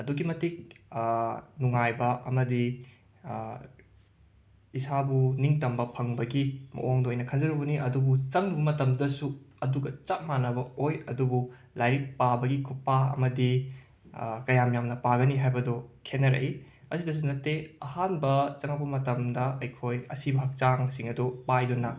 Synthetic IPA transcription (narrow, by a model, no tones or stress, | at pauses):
ɐduɡimɐtik̚ | nuŋajbɐʔɐmɐdi | isabuniŋtɐmbɐpʰɐŋbɐɡimɐ̰ʔoŋdɐojnɐkʰɐnd͡ʒɐɾubɐniʔɐdubut͡ʃɐŋbɐbɐmɐtɐmdɐsuɐduɡɐt͡ʃak̚manɐbɐojɐdubu | lajɾik̚pabɐɡikʰupːaɐ̰mɐdi | kɐjamjamnɐpaɡɐniɦajbɐdokʰenːɐɾɐ̰ʔi | ɐsidɐs̬unɐtːeɐhanbɐt͡ʃɐŋɐpɐmɐtɐmdɐɐjkʰojɐsibɐɦɐk̚t͡ʃaŋsiŋɐdupajdunːɐ